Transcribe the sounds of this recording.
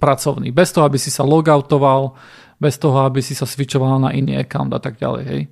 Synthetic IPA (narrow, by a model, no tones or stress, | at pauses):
pɾat͡sɔʊnḭːbɛst̪ɔɦɔabisisalɔɡaʊt̪ɔʋal | bɛst̪ɔɦɔabisisazʋit͡ʃɔʋalanaʔinḭːɛkaʊnd̪a̰t̪aɡɟa̰lɛ̰jɦɛ̰j